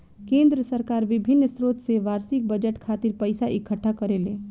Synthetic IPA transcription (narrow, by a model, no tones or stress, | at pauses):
kẽnd̪ɾəsəɾkaːɾʋibʱinːsɾot̪seʋaɾsik̚bəd͡ʒəʈkʰaːt̪iɾpəjsaʔikʰəʈʰːakəɾelẽ